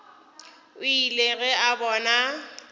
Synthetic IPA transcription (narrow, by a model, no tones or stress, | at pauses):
ʊileɣɛabɔːna